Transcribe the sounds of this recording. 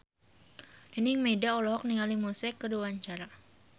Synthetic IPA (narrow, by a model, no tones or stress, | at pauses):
dəniŋmedaɔlɔɦɔk̚niŋalimusɛkːəduwaɲt͡ʃaɾa